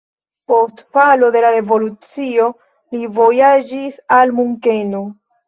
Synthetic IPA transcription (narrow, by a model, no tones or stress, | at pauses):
po̞stpalo̞de̞laɾe̞vo̞lut͡sio̞ | livo̞jad͡ʒisalmuŋke̞no̞